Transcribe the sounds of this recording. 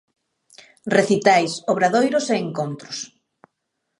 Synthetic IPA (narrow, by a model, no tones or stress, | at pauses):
reθit̪ajsoβɾaðojɾoseːŋkont̪ɾʊs